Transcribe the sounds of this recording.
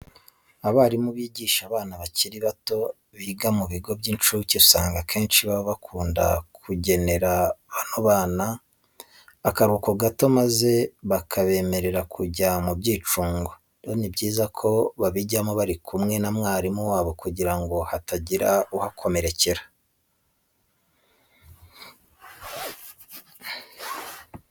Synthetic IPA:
aβaːɾimuβiːɟiːʃaβaːnaβaciɾiβato̞ | βiɡamuβiɡo̞bɟint͡ʃuciusaːŋɡakʰe̞ːnʃiβaβoβakʰuːnda̰kʰuɟe̞ne̞ɾaβanoβaːna | kaɾuːkoɡato̞maze̞βakʰaβe̞ːme̞ɾe̞ɾakʰuɟamubɟiːt͡ʃuːŋɡo̞ | donibɟiːzakʰo̞βaβiɟamoβaɾikʰumŋe̞namŋaːɾimuwaːβo̞kuɟiɾaŋɡo̞hatʰaɟiɾauhakʰo̞me̞ɾe̞ce̞ɾḁ

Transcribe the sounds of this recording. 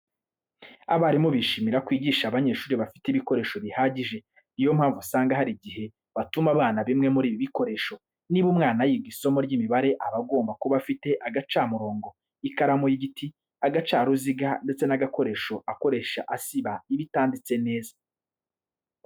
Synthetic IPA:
a̰βaɾimoβiʃimiɾakwiːɟiːʃaβaɲe̞ːʃuːɾiβafi̥tiβiko̞ɾe̞ːʃo̞βihaːɟiʒe | ijo̞m̥haːɱvusaːŋɡaɦaɾiɟihe̞ | βatumaβaːnaβimŋe̞muɾiːβiβiko̞ɾe̞ːʃo̞ | niβumŋaːnajiɡiso̞moɾɟiːmiβaɾe̞ʔaβaɡo̞ːmbakuβafite̞ʔaɡat͡ʃaːmuɾo̞ːŋɡo̞ | ikaɾamojiɡitʰi | aɡat͡ʃaːɾuziɡande̞t͡se̞naɡako̞ɾe̞ːʃo̞ʔako̞ɾe̞ːʃaʔasiβaiβitaːndit͡se̞ne̞ːza

